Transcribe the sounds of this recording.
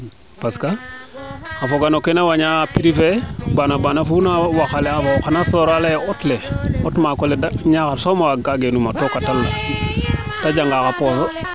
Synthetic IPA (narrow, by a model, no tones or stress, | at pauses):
paska | afoɡanokenawaɲaːpiɾifebanabanafunawaxaleafaxanasoːɾaleotleotmakoledaɲakasomawaɡaɡenumatokatalːa̰ | taɟaŋɡaːkaposo